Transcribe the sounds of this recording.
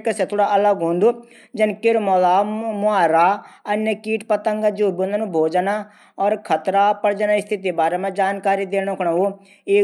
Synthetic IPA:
kəset̪ʰoːɽaːʔələɡɦõːnd̪uː | d͡ʒənkɪɾmɔːlaːmʊaːɾaːənjəkiːʈpət̪əŋɡad͡ʒuːbõnanũbʱoːd͡ʒanaː | ɔːɾkʰət̪ɾaːpəɾd͡ʒanaɪst̪ʰɪt̪ibaːɾeːmɛ̃d͡ʒaːnkaːɾiːd̪eːɽ̃okʰɽaːoː | eː

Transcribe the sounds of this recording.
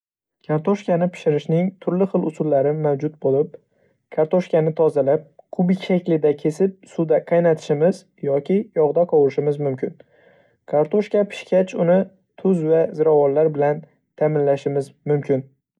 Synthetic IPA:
kʰaɾt̪ʰoʃkʲanɪpʰɪ̥ʃɪɾɪʃnɪŋt̪ʰʊɾlɪχɨlˠʊsʊlːaɾɪmawd͡ʒʊt̪̚bolˠɪp̚ | kʰaɾt̪oʃkʲanɪt̪ʰɒzalap̚qʰʊbɪkʲʃakʲlɪd̪akʲʰe̞sɪp̚sud̪aqʰɑjnat̪ʰɪ̥ʃɪmɪz | jɒkʲʰɪjɒʁd̪aqʰɒwɾɪʃɪmɪzmʊmkʲʰɪn | kʰaɾt̪ʰoʃkʲapʰɪ̥ʃkʲat͡ʃʰʊnɪ | t̪ʰʊzvazɪɾavɒnlaɾbɪlan | t̪ʰamɪnlaʃɪmɪzmʊmkʲʰɪn

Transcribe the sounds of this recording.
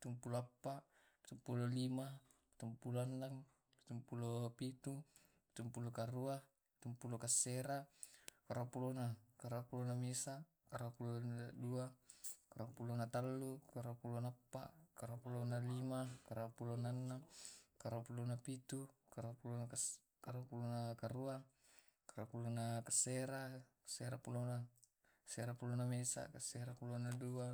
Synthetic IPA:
pit̪umpuloapːaʔ | pi̥t̪umpulolima | pi̥t̪umpuloandaŋ | pi̥t̪umpulopit̪u | pi̥t̪umpulokaruah | pi̥t̪umpulokasːeɾakaɾapulonakaɾapulonamesa | kaɾapuloduakaɾapulonat̪alːukaɾuapulonaapːa̰ʔkaɾapulonalimakaɾapulonanːakaɾapulonapit̪ukaɾapulonaa | kaɾuapulonakaɾuaŋ | kaɾapulonakaseɾa | ḁseɾapulona | seɾapulonamesa̰kaseɾapulonadua

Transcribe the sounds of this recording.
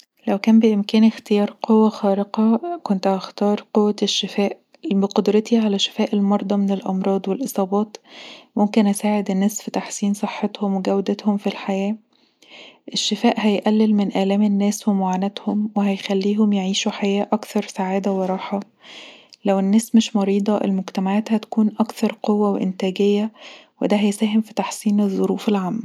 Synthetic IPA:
læwkæːmbeʔemkæːnext̪ejɑːɾˤqowːæxɑːɾeqɑkont̪ɑxt̪ɑːɾˤqowːæʃːefæːʔ | beqod̪ɾɑt̪iʕalæʃe̥fæːʔelmɑɾˤd̪ˤɑmenelʔɑmɾˤɑːd̪ˤwelʔɨsˤɑːbɑːt̪momkenʔæsaːʕed̪enːæːsfit̪aħsiːnsˤɨħːɑt̪homweɡæwd̪æt̪homfilħajæː | ʔeʃːefæːʔhæjʔælːelmenʔælæːmenːæːswemoʕaːnæt̪homweɦæjxælːiːɦomjeʕiːʃuħajæːʔɑkθɑɾˤsaʕaːd̪æweɾˤɑːħɑ | læwenːæːsmeʃmɑɾiːd̪ˤɑʔḛlmoɡt̪æmaʕaːt̪hæt̪æ̥kuːnʔɑkθɑɾˤqowːæweʔḛnt̪æːɡejːæwḛd̪æɦæjsæːɦemfi̥t̪ɑħsiːnezðˤːoɾuːfelʕamː

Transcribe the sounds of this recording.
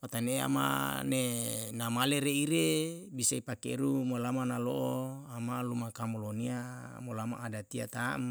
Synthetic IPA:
pat̪anea̰ma̰nenamaleɾeiɾe | bisaipakḛɾumolamanaloʔoamalumakamolonia | molama̰ʔːdat̪ia̰t̪am

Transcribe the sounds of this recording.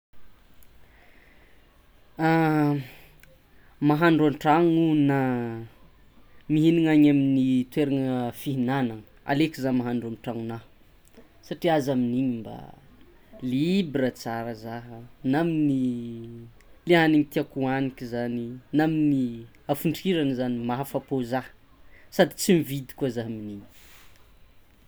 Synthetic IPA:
a | maɦaɳɖ͡ʐaɳʈ͡ʂaŋuna | miɦiniŋaɲaminit̪weɾaŋəfiɦinanaŋəa̰lekizamaɦaɳɖ͡ʐanʈ͡ʂaŋuna | saʈ͡ʂiazaminiɲimba̰ | libɾət͡saɾəzaɦənamini | leɦaniŋit̪iakuanikizaninamini | afuɳɖ͡ʐiɾanəzanimaɦafapozahə̥ | sad̪it͡simivid̪i̥kuazaɦaminiɲi̥

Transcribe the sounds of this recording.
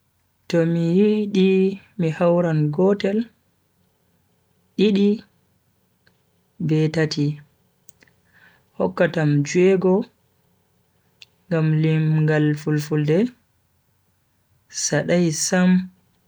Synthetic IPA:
tɔmijiɗi | mihawɾanɡɔtɛl | ɗiɗi | bɛtati | hɔkːatamd͡ʒuɛɡɔ | ŋɡamlimɡalfulfuldɛ | saɗajsam

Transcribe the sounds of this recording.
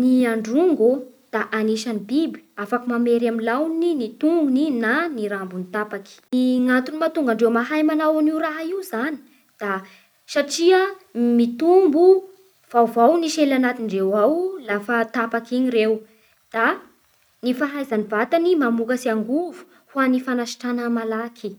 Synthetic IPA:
niaɳɖ͡ʐuŋɡu | d̪̥aʔaniʃanibibi̥afakumameɾaminlawninit̪uŋɡuninaniɾambunit̪apaki̥iŋant̪unimat̪uŋɡaɳɖ͡ʐewmaɦajmanawaniwɾaɦaiwzani̥ | d̪̥a | saʈ͡ʂiəmit̪umbu | v̥awvawniʃelanat̪iɳɖ͡ʐewawlafat̪apakiɲiɾew | d̪̥a | nifaɦajzanivat̪animamukasiaŋɡuvu̥ | huanifanaʃi̥ʈ͡ʂanamalakʰi

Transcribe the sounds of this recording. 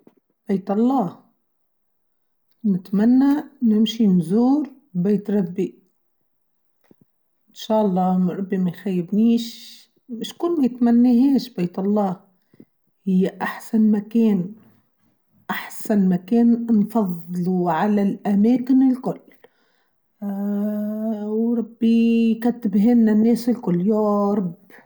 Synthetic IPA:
b̥eːt̪ʔɑlˤːɑːh | nɪt̪manːanɪmʃinzuːɾ | beːt̪ɾˤɑbːi | ʔɪnʃaːʔɑlˤːɑːmɾˤɑbːimajxajːɪbniːʃ | mɪʃkʊlːmajɪt̪manːiɦeːʃbeːt̪ɑlˤːɑːh | hɪjːaʔaħsanmakeːn | ʔaħsanmakeːnnfɑðˤluʕalalʔameːkɪnɪlkʊlː | wɾˤɑbːijkat̪ːɪbɦɪnːanːeːsɪlkʊlːjoɾˤɑb

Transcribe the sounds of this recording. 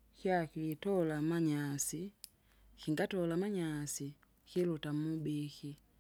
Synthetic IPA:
kjakitɔlamaɲasi | kiŋɡatɔlamaɲasi | kilutam̩ubiki

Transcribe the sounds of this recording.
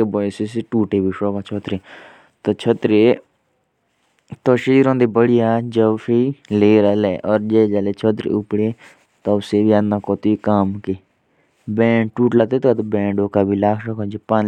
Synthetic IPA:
ebɔːjsɪsʈuːʈeːbiʃoːkaːt͡ʃʰɔːt̪ɾeː | t̪oːt͡ʃʰɔt̪ɾeː | t̪oːʃiːɾõːnd̪eːbəɽɪjaːd͡ʒəbpʰiːleːɾaːlɛːʔɔːɾd͡ʒɛːd͡ʒaːleːt͡ʃʰot̪̬ɾḛːʊpɽeː | t̪aːʊseːbiːənːãːkoːt̪ːikaːmke | bɛ̃ːʈuːʈlat̪eːt̪aːt̪obɛ̃ːɳɖoːkaːbiːlaːkʰʃɔkaːd͡ʒepaːn

